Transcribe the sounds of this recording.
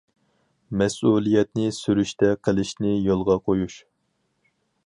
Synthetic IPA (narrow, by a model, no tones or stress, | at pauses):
mɛsulˠijɛt̪nɪsyɾyʃt̪ɛqʰəlˠɪʃnɪjolˠʁɑqʰojuʃ